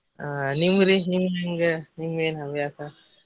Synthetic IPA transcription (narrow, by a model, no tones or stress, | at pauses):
animuɾinimimɡanimuɾenabijasa